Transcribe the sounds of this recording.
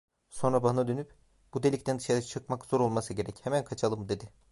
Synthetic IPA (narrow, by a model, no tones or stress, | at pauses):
so̞nɾabanad̪ø̞nyp | b̥ud̪e̞lʲict̪ʰænd̪ɯʃaɾat͡ʃʰɯkmakz̥o̞ɾo̞lˠmasɯɟe̞ɾɛchemænkʰat͡ʃʰalˠɯmd̪e̞d̪ɪ